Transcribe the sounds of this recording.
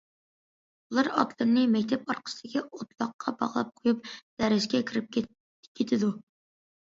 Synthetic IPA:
ulˠɑɾɑ̰t̪lˠɨɾnɨmɛkʲt̪ʰɛpɑɾqə̥sɪd̪̥ɪkʲiot̪lˠɑqːɑbɑ̰ʁlˠɑ̰p̚qʰojup̚d̪̥æɾɪʃkʲɛkʲʰiɾɪp̚ʲ | kʲʰːet̪ʰɪd̪u

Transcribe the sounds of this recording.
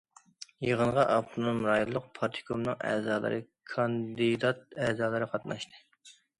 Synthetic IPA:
jəʁənʁɑʔɑpt̪ʰunumɾɑjulˠːəq̚pʰɑɾt̪ʰɨ̥kʰomnɨŋæ̰ːzɑːlˠɨ̰ɾɨkʰɑnd̪ɨd̪ɑt̪̚æːzɑːlˠɨɾɨqʰɑt̪nɑʃt̪ʰɨ

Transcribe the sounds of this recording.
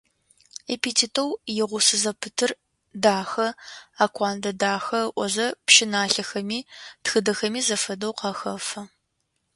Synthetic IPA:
epitʰitʰɐwjɪʁʷʊsɨzɐpʰɨtʰɨr | daːxɐaːkʷʰaːndɐdaːxɐʔʷɔzɐpʃɪnaːɬɐxɐmiːtxɨdɐxɐmiːzɐfɐdɐwqɐxɐfɐ

